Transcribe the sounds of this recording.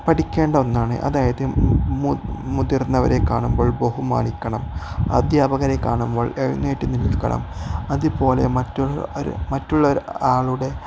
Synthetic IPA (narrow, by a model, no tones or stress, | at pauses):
pɐʈikʲːe̞ːɳɖɐonːaːɳɨ̰ʔɐ̰ðaːjɐðɨmumuðirnːɐʋɐ̰ɾe̞kːaːɳumbo̞ːɭbɐhuma̰ːɳikʲːɐɳɐm | ɐ̰d̪ʱjaːbɐɣɐɾekːaːɳumbo̞ːɭeɻḭnːeʈːinːinilkːɐ̰ɳɐ̰mɐðupo̞ːle̞mɐtːuoɾ̰mɐtːuɭːɐoɾaːɭuɽe̞